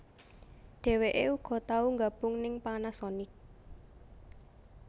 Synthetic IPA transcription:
ɖ̥ɛ̤weʔeuɡ̥ɔ̤t̪auŋɡab̥ʊŋnɪŋpanasɔnɪk̚

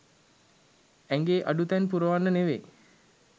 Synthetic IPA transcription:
æŋɡeːʔa̰ɖut̪ænpuɾəʋanːəneʋe

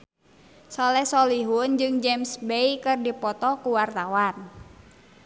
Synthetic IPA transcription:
sɔlɛhsɔliɦund͡ʒɨŋd͡ʒɛmsbeikɨrdipɔt̪ɔkuwart̪awan

